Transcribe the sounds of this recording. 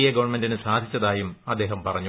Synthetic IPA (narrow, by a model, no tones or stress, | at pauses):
ijɐɡɐʋɐrɳmendinɨsaːd̪ʱit͡ɕːɐðaːjumɐd̪ːe̞ːɦɐmpɐrɐɲːu